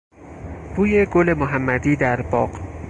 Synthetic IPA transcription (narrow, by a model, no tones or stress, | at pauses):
b̥uːje̞ɡole̞moɦæmːæd̪iːd̪æɾbɒːq